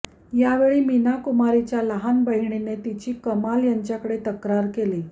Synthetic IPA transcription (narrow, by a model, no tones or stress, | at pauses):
jaʋeɭiːminakumaɾit͡ɕjaləɦanbəɦiɳenet̪it͡ɕiːkəmaljaɲt͡ɕjakəɽet̪əkɾaɾkeliː